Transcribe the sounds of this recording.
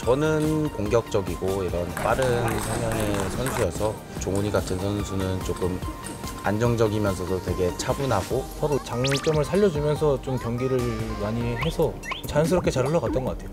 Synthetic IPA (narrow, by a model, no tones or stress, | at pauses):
t͡ɕʌnɯnkoŋɡjʌk̚t͡ɕ͈ʌɡiɡoiɾʌnp͈aɾɯnsʰʌŋjaŋe̞sʰʌnsʰuesʰʌ | t͡ɕoŋuɲiɡatʰɯnsʰʌnsʰunɯnt͡ɕok͈ɯm | a̰nd͡ʑʌŋd͡ʑʌɡimjʌnsʰʌdotwe̞ɡe̞t͡ɕʰabunɦaɡosʰʌɾot͡ɕaŋt͡ɕ͈ʌmɯɭsʰaʎːʌd͡ʑumjʌnsʰʌt͡ɕomkjʌŋɡiɾɯɭmaɲiɦe̞sʰʌ | mt͡ɕajʌnsʰɯɾʌp̚k͈ʰe̞t͡ɕaɾɦɯɭːʌkat͈̚ʌnɡʌk͈atʰe̞jo